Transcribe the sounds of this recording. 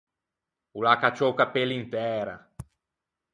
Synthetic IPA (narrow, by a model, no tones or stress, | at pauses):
ulakat͡ʃowkapelint̪ɛːɾa̰